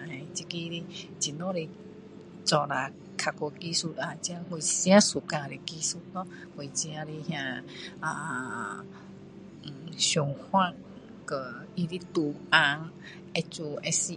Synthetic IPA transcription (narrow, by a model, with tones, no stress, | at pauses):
ã˧˨i˧t͡ʃi˧ki˧ɾi˧ | t͡ʃi˧nõ˦ɾi˧ | t͡ʃɔ˧ɾa˨ | kʰa˧ko˧ki˧su˧ɾã˧t͡ʃi˧a˧hu˧sĩ˧ã˦su˨kã˧˨˧ɾi˧ki˧su˧t̪ɔ̃˦ | ko˧i˧t͡ʃi˧ã˧ɾi˧hjã˧a˧˨ | ʃo˨˧hwã˦ | kə˨i˧ɾi˦t̪u˧˨ã˧ | e˧t͡ʃu˧e˧si˧